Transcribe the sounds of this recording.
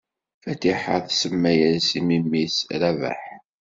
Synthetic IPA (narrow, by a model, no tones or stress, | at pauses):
fæt̪ːiħəθsəmːæjæɾsimimːisɾævæ̰ħ